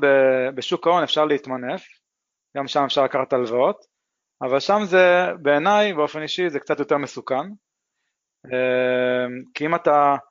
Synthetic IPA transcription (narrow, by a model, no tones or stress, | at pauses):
bebeʃukao̞nefʃaʁleit̪manef | ɡamʃamefʃaʁlakaʁχat̪alvaot̪ | avalʃamzebe̞ːnajbeo̞fe̞niʃizekt͡sat̪joteʁmesukan | emkiimat̪a